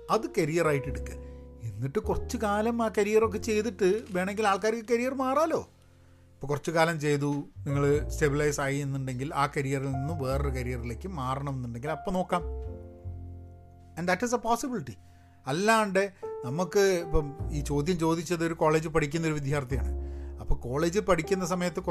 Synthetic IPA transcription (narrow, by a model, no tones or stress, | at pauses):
ɐðɨkɐɾijɐraːjiʈːeɽukːɨ̰enːiʈːɨkurɐt͡ɕːukaːlɐmaːkɐɾijɐro̞kːe̞t͡ɕe̞jt̪iʈːɨʋe̞ːɳe̞ŋɡilaːɭkaːɾikːɨkɐɾijɐrmaːraːlo̞̰ː | ipːoːkurɐt͡ɕːukaːlɐmt͡ɕe̞jt̪uniŋːɐɭstebilɐjsaːjienːuɳɖe̞ŋɡilaːkɐɾijɐrilninːumʋe̞ːrɨkɐɾijɐrile̞ːkːɨmaːrɐɳɐme̞nːuɳɖe̞ŋɡilɐpːono̞ːkːaːm | ɐnd̪ɐʈːis̬ɐpoːsibiliʈi | ɐlːaːɳɖenɐmukːɨipːoiːt͡ɕo̞ːd̪ʱjɐmt͡ɕo̞ːd̪it͡ɕːɐðo̞ɾuko̞ːɭe̞ːd͡ʑɨpɐʈʰikʲːunːɐo̞ɾuʋid̪ʱjaːrt̪ɐja̰ːɳɨ̰ɐpːoko̞ːɭe̞ːd͡ʑɨpɐʈʰikʲːun̪ːɐs̬ɐmɐjɐt̪ːɨk